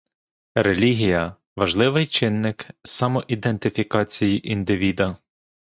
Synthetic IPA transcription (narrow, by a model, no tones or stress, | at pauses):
ɾelʲiɦʲijɐ | ʋɐʒlˠɪʋɪjt͡ʃɪnːɪksɑmɔʔid̪ent̪ɪfʲikɑt͡sʲijiʔind̪ɪʋʲid̪ɐ